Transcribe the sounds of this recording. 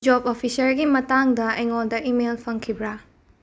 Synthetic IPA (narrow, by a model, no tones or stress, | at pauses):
d͡ʒobopʰisɐɾɡimɐtaŋdɐɐjŋoldɐʔimelpʰɐŋkʰibɾa